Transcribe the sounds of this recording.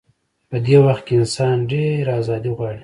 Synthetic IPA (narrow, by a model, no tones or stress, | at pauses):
pəd̪ewaxt̪̚keɪnsɑnɖeɾazɑd̪iɣwɑɽi